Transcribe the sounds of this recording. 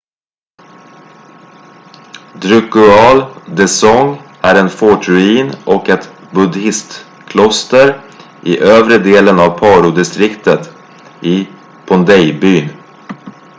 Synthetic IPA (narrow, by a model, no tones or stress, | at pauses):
d̪ɾɵkʊɑːld̪ɛsɔŋ | æɾɛnfɔʈɾɵiːnʔɔkɛt̪ | bɵd̪ɪst̪ | kʰlɔst̪əɾ | ʔɪʔøːvɾəd̪eːlənɑvpʰɑːɾʊd̪ɪst̪ɾɪkt̪ət̪ | ʔɪ | pʰɔnd̪ɛjbyːn